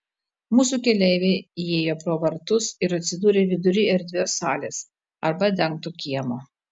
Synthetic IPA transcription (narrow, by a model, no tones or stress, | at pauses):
muːs̬uːkʲɛlʲɛɪʋʲeɪieːjoːpɾoːʋɐɾt̪ʊsɪɾɐt̪ʲsʲɪd̪uːɾʲeːʋʲɪd̪ʊɾʲiːɛɾʲd̪ʲʋʲoːsɑːlʲeːs | ɐɾbɐd̪ʲɛŋk̚t̪ukʲiɛmoː